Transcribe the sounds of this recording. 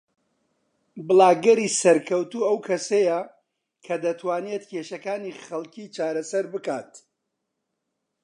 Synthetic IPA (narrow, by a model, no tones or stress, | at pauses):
bɨlaːɡɐɾisɐɾkʰɐwt̪uːɐwkʰɐsejɐ | kʰɐd̪ɐt̪ʰwaːnet̪cʰeʃɐkaːniχɐlˠcʰiːt͡ʃaːɾɐsɐɾbɨkaːt̪